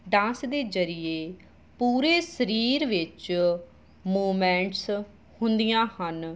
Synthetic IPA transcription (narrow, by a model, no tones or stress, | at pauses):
ɖãːsd̪eːzəɾɪjeː | puːɾeːsəɾiːɾʋɪt͡ʃ | moːmɛ̃ːɳʈs | hʊnd̪ijãːhən